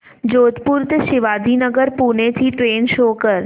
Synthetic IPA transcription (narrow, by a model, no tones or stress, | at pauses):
d͡ʒot̪puɾt̪ʃɪʋad̪ʱinəɡəɾpunet̪ʰiʈɾenʃokəɾ